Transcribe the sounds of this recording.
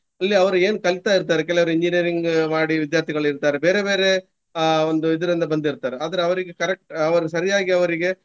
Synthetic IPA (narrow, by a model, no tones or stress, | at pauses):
ɐlːiɐʋɐɾue̞ːnkɐlit̪aːiɾt̪aːɾek̬ɛlɐʋɐɾuiɲd͡ʒiniɐɾiŋɡmaːɽiʋid̪jaːɾt̪ʰiɡɐɭuiɾt̪aːɾebe̞ːɾe̞be̞ːɾe̞ | ond̪uid̪ɐɾind̪ɐbɐnd̪iɾt̪aːɾeaːd̪ɐɾeɐʋɐɾiɡekɐɾek̚ʈɐʋɐɾusɐɾijaːɡiɐʋɐɾiɡe̞